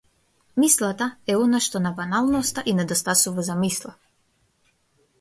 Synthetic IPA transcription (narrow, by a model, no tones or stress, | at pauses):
mislˠat̪aɛɔnaʃt̪ɔnabanalˠnɔst̪aʔinɛd̪ɔst̪asuvazamislˠa